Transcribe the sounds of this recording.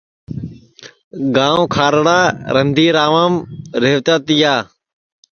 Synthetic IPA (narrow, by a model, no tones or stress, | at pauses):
ɡãːõːkʰaːɾɽaːɾənd̪ʱiːɾaːʋaːmɾeːʋt̪aːt̪ɪjaː